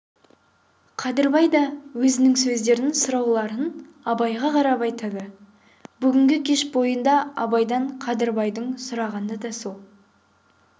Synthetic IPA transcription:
qʰɑd̪əɾbɑjd̪ɑwɵzɪnɪŋsɵzd̪e̞ɾɪnsʊɾɑwlˠɑɾən | ɑbɑjʁɑqʰɑɾɑpɑjt̪ɑd̪ə | bʏɡʲɪŋɡʲɪkʲʰe̞ʃbo̞jənd̪ɑɑbɑjd̪ɑɴqʰɑd̪əɾbɑjd̪əɴsʊɾɑʁɑnd̪ɑd̪ɑsolˠ

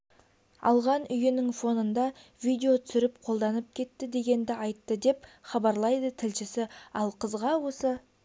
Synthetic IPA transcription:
ɑ̰lˠʁɑnʔʏjɪnɪŋfo̞nənd̪ɑ | vijd̪ʲe̞o̞t̪ʰʏsɪɾɪpqʰo̞lˠd̪ɑnəp̚kʲʰe̞t̪ːɪd̪e̞ɡʲe̞nd̪ɪʔɑjt̪ːəd̪e̞pχɑbɑɾlˠɑjd̪ət̪ʰɪlʃɪsɪɑlˠqʰəzʁɑwo̞sə

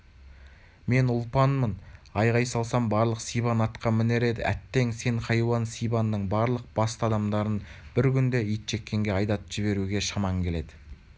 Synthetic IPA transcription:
me̞nʊlˠpɑnmənɑjʁɑjsɑlˠsɑmbɑɾlˠəqsijbɑnɑt̪qɑmɪne̞ɾe̞d̪ɪʔæt̪ːe̞ŋse̞ɴqɑjwɑnsijbɑnːəɴbɑɾlˠəq̚b̥ɑst̪əɑd̪ɑmd̪ɑɾənb̥ɪɾkʲʰʏnd̪e̞ijt̪ʒ̥e̞kʲːe̞ŋɡʲe̞ɑjd̪ɑt̪ʒ̥ɪβe̞ɾuɡʲe̞ʃɑmɑŋkʲʰe̞le̞d̪ɪ

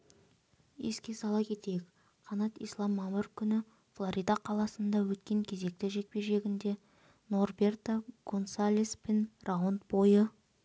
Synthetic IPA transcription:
jeskʲe̞sɑlˠɑkʲʰe̞t̪e̞jek | qʰɑnɑt̪ḭjslˠɑmːɑmərkʲʰʏnɪ | flˠoɾʔijd̪ɑqʰɑlˠɑsənd̪ɑwɵt̪̚kʲe̞ŋkʲʰe̞ze̞k̚t̪ɪʒe̞k̚pe̞ʒe̞ɡʲɪnd̪e̞ | no̞rbe̞rt̪akʰo̞nsalʲispʲenrawont̪bo̞jə

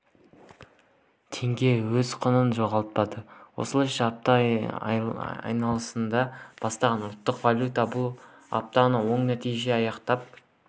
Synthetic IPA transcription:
t̪ʰe̞ŋɡʲe̞wɵzqʰonənʒo̞ʁɑlˠt̪̚pɑd̪əwo̞̰səlˠɑjʃɑːp̚t̪ɑ | ɑ̰jnɑlˠəsənd̪ɑb̥ɑst̪ɑʁɑnʊlˠt̪ːəqvalʲjut̪ɑbʊlˠ | ɑ̰p̚t̪ɑnɑwo̞ɴnæt̪ijʒe̞ɑjɑqt̪ɑp̚

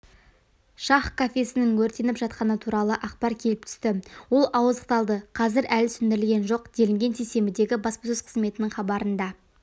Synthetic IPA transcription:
ʃɑχkʰafʲe̞sɪnɪŋwɵɾt̪e̞nɪpʒɑt̪̚qɑnət̪ʰuɾɑlˠəʔɑqpɑɾkʲʰe̞lɪp̚t̪ʰʏ̥st̪ɪwo̞lˠɑwəzəqt̪ɑlˠd̪əqʰɑzɪɾælsʏnd̪ɪɾɪlɡʲe̞nʒoqd̪̥e̞lɪŋɡʲe̞nt̪ʰese̞mɪd̪e̞ɡʲɪbɑspɑsɵz̥qʰə̥zme̞t̪ɪnɪŋχɑbɑɾənd̪ɑ

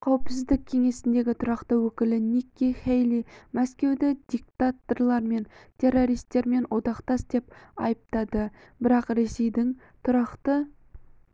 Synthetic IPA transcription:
qʰɑwəpsɪzd̪ɪk̚ʲʰe̞ŋe̞sɪnd̪e̞ɡʲɪt̪ʰʊɾɑqt̪əwɵkʲɪlɪnikʲːiχejlimæskʲe̞wd̪ɪd̪̥ʲik̚t̪at̪o̞rlˠɑɾme̞nt̪ʲʰe̞rːo̞ɾijst̪e̞ɾme̞nwo̞d̪ɑqt̪ɑsd̪e̞pɑ̰jəp̚t̪ɑd̪ə | bɪɾɑqɾe̞se̞jd̪ɪŋ | t̪ʰʊɾɑqt̪ə

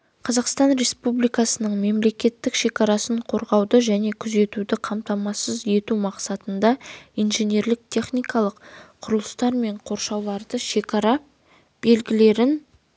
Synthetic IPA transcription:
qʰɑzɑqst̪ɑnɾe̞spublijkɑsənəɴme̞mle̞kʲe̞t̪ːɪkʃe̞kʲɑɾɑsəɴqʰo̞ɾʁɑwd̪əʒæne̞kʲʰʏze̞t̪ud̪ɪqʰɑmt̪ɑmɑsəze̞t̪umɑqsɑt̪ənd̪ɑijnʒe̞nʲe̞ɾlɪk̚t̪ʲʰe̞χnijkɑlˠəqqʰʊɾəlˠəst̪ɑɾme̞ɴqʰo̞ɾʃɑwlˠɑɾd̪əʃe̞kɑɾɑ | b̥e̞lɡʲɪle̞ɾɪn

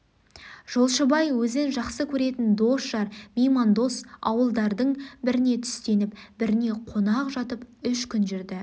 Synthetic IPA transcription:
ʒ̥o̞lˠʃəbɑjwɵzɪnʒɑqsəkʲʰɵɾe̞t̪ɪnd̪o̞sʃɑɾmʲijmɑnd̪o̞sɑ̰wəlˠd̪ɑɾd̪əɴbɪɾɪne̞t̪ʰʏ̥st̪e̞nɪp̚bɪɾɪne̞qʰo̞nɑqʒɑt̪əpʏʃkʲʰʏnʒʏɾd̪ɪ

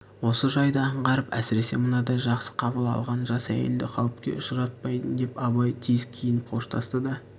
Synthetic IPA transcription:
wo̞səʒɑjd̪əɑɴʁɑɾəpæ̰sɪɾe̞semənɑd̪ɑʒɑqsə̥qʰɑbəlˠɑ̰lˠʁɑnʒɑsæ̰jḛld̪ɪqʰɑwɪp̚kʲe̞̰ʔʊʃəɾɑt̪̚pɑjd̪ənd̪e̞pɑbɑjt̪ʰezkʲʰijɪnpqʰo̞ʃt̪ʰɑst̪əd̪ɑ

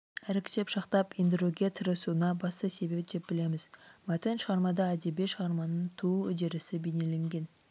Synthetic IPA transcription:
æɾɪkʲʰɪ̥t̪e̞pʃɑqt̪ɑpind̪ɾuɡʲe̞t̪ʰəɾəsuənɑbɑst̪əse̞be̞pd̪̥e̞p̚bɪle̞mɪz̥mæt̪enʃəʁɑɾmɑd̪ɑæd̪ebeʃəʁɑɾmɑnəɴt̪ʰuwɵ̰d̪e̞ɾɪsɪbene̞le̞ŋɡʲe̞n

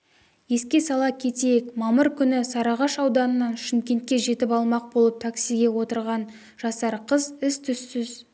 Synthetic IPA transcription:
je̞skʲe̞sɑlˠɑkʲʰe̞t̪ejekmɑməɾkʲʰʏnɪsɑɾɑʁɑʃɑwd̪ɑnənɑnʃɪmkʲe̞nt̪̚kʲe̞ʒe̞t̪ɪpɑlˠmɑq̚bo̞lˠəp̚t̪ʰaksijɡʲe̞wo̞t̪əɾʁɑn | ʒ̥ɑsɑɾqʰəzɪst̪ʰʏsːʏz

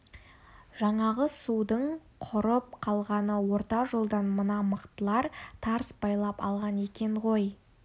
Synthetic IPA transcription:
ʒɑɴɑʁəsud̪əɴqʰʊɾəp̚qʰɑlˠʁɑnəwo̞ɾt̪ɑʒolˠd̪ɑnmənɑməqt̪əlˠɑɾt̪ʰɑɾsbɑjlˠɑpɑ̰lˠʁɑne̞kʲe̞ɴʁo̞j

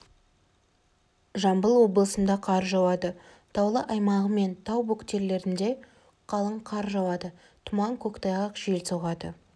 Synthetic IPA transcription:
ʒɑmbəlˠwo̞blˠəsənd̪ɑqʰɑɾʒɑwɑd̪ə | t̪ʰɑwlˠəʔɑjmɑʁəme̞nt̪ʰɑwbukt̪e̞ɾle̞ɾɪnd̪e̞ | qʰɑlˠəɴqʰɑɾʒɑwɑd̪ə | t̪ʰʊmɑŋkʲʰɵkt̪ɑjˠəqʒ̥ielsoʁɑd̪ə

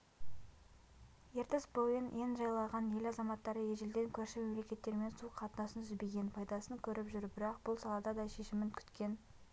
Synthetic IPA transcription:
e̞ɾt̪esbojɪnenʒɑjlˠɑʁɑnje̞lɑzɑmɑt̪ːɑɾəjeʒeld̪eŋkʲʰɵɾʃɪme̞mle̞kʲe̞t̪ːe̞ɾme̞nsuqʰːɑt̪ənɑsənʰʏzbe̞ɡʲe̞npʰɑjd̪ɑsəŋkʲʰɵɾɪpʒʏɾbɪɾɑqb̥ʊlˠsɑlˠɑd̪ɑd̪ɑjʃe̞ʃɪmɪŋkʲʰʏ̥t̪kʲe̞n

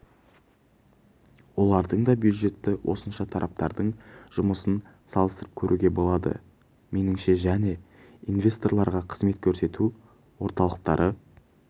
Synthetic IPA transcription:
wo̞lˠɑɾd̪əɴd̪ɑbjud̪ʒe̞t̪ːɪwʔo̞̰sənʃɑt̪ʰɑɾʔɑp̚t̪ɑ̰ɾd̪əɴʒ̥ʊməsən | sɑlˠəst̪əɾəp̚kʲʰɵɾʔuɡʲe̞bo̞lˠɑd̪ə̰ | me̞nɪŋʃe̞ʒæne̞ | invʲe̞st̪o̞rlˠɑɾʁɑqʰə̥zme̞t̪kʲʰɵɾse̞t̪u | wo̞ɾt̪ɑlˠəq̚t̪ɑɾʔə

